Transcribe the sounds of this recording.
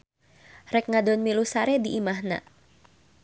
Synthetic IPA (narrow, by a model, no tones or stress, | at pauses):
rɛk̚ŋadɔnmilusaɾediimahna̰